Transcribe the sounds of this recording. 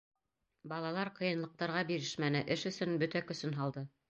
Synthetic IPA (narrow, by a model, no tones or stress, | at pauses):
bɑlˠɑlˠɑɾqɤ̆jɤ̆nlˠɤ̆q̚t̪ɑɾʁɑbiɾɘʃmænɘʔɘʃɵ̆sɵnbɵt̪ækɵ̆sɵnɦɑlˠd̪ɤ